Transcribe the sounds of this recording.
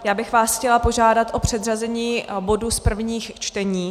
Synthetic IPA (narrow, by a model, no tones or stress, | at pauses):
jaːbɪxvaːsxcɛlapo̞ʒaːdat̪ʔo̞pr̝̥ɛd̪razɛɲiːbo̞duspr̩vɲiːxt͡ʃt̪ɛɲiː